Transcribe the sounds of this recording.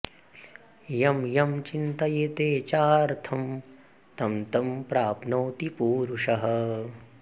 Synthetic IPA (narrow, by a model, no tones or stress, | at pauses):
jɐmjɐmt͡ʃint̪ɐjet̪eːt͡ʃaːɾt̪ʰɐm | t̪ɐmt̪ɐmpɾaːpnɐwt̪ipuːɾuʂɐɦɐ̆